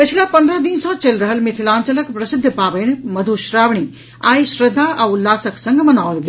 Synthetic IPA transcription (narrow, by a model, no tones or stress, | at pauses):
pɐt͡ʃʰilapɐ̃nd̪ɾəd̪insɔ̃t͡ʃelɾɐɦəlmɪt̪ʰilaːnt͡ʃɐləkpɾɐsɪd̪ʱːpaːbəjnmɐd̪ʱuʃɾaːʋɳ̃i | aːiʃɾɐd̪ʱːaʔaulːaːsɐksɐ̃ŋɡmɐnaːwlɡ